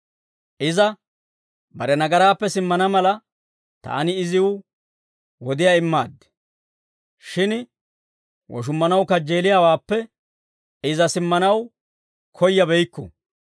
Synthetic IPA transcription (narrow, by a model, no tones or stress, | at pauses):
ʔɪzɐ | bɐɾɛnɐɡɐɾaːpːɛsɪmːɐnɐmɐlɐ | t̪a̰ːnɪːzɪwʊ | wɔd̪ɪjaːɪmːa̰ːd̪ːɛ̥ | ʃɪn | wʔɔ̰ʃ̬ʊmːɐnɐwkɐd͡ʒeːlɪjaːwaːpːɛ | ɪzɐsɪmːɐnɐw | kʰɔjːɐbɛjkːʊ̰